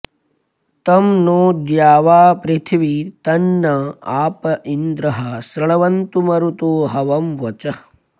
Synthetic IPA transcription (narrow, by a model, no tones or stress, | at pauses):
t̪ɐmnoːd̪jaːʋaːpɾit̪ʰʋit̪ɐnːɐaːpɐʔind̪ɾɐɦɐsɾɐɭɐʋɐnt̪umɐɾut̪uɦɐʋɐmʋɐt͡ʃɐ